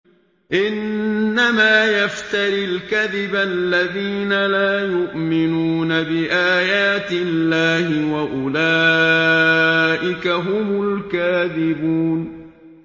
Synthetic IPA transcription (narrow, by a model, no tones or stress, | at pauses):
ʔɪnːamaːjaft̪aɾɪlkaðɪbalːaðiːnalaːjʊʔmɪnuːnabɪʔaːjaːt̪ɪllːaːhɪwaʔʊlaː | ʔɪkaɦʊmʊlkaːðɪbuːn